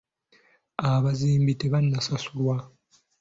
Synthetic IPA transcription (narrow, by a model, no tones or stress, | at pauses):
aβaziːmbiteβanːasasulwa